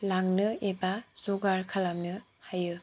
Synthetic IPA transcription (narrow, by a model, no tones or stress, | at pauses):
laŋnɯebasoɡaɾkʰalamnɯ | hajɯ